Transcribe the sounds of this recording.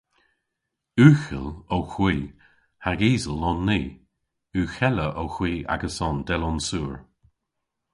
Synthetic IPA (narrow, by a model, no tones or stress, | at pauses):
ʉːxə̰lowxwiː | haɡiːzəlɔnːiː | ʉːxɛləʔoxwiːa̰ɡəsɔnd̪ɛlɔnsuːɹ